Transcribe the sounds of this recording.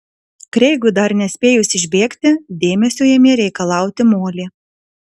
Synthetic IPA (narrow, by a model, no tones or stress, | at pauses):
kɾʲɛɪɡʊd̪ɐɾnʲɛsʲpʲeːjʊsʲɪʒʲbʲeːkt̪ʲɪd̪ʲeːmʲɛsʲoːjɛmʲeːɾʲɛɪkɐlˠɑˑʊt̪ʲɪmoːlʲiː